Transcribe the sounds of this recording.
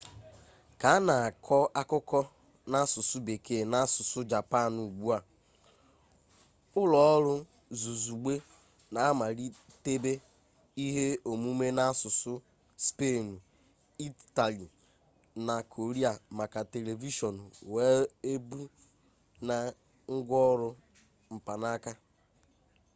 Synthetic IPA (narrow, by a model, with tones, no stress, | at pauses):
ka˨a˦na˨a˨kʰɔ˦a˦kʊ˦kɔ˦ | na˦sʊ˨sʊ˦be˨kʰe˨na˦sʊ˨sʊ˦d͡ʒa˨pa˦˨nu˨ɡ͡bu˦a˨ | ʊ˦lɔ˨ɔ˦ɾʊ˦ | zu˨zu˨ɡ͡be˦ | na˨a˦ma˨ɾi˦ | te˦be˦ | i˦ɦe˦o˨mu˦me˦na˦sʊ˨sʊ˦ | spe˦˨nu˨ | i˦ta˨li˨ | na˨kʰo˨ɾi˦a˨ma˨ka˨te˨le˨vi˦ʃɔ˨nu˨we˨˦e˦bu˦ | na˨ | ŋ̩˦ɡʷɔ˦ɔ˦ɾʊ˦ | m̩˨pa˨na˦ka˦